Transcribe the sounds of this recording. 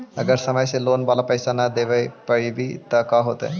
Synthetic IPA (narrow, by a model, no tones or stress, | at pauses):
əɡəɾsəməjselonbalapəjsanad̪eʋəjpəɭibʱiːt̪əkaɦot̪ə̰